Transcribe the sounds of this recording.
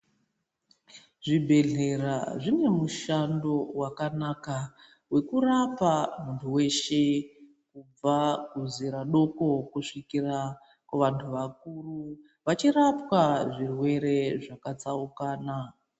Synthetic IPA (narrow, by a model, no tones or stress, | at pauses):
ʐibʱe̞ɮe̞raʐine̞muʃando̞wakanaka | we̞kurapamuntʰuwe̞ʃe̞ | kub͡vakuziɾaɗo̞ko̞kuʂikira | kwaʋantʰuʋakuru | ʋat͡ʃirapwaʐirwe̞ɾe̞ʐakat͡saukaːna